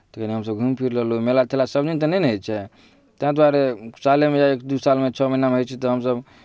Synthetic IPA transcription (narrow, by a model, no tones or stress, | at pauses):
t̪əkəniɦəmsəbɡʱumpʰiɾləlumelat̪ʰelasəbd͡ʒint̪ənɛnɦəjt͡ʃʰɛ | t̪ãd̪waɾesalemejaekd̪usalmet͡ʃʰɔminamɦot͡ʃʰɛt̪ɔɦəmsəb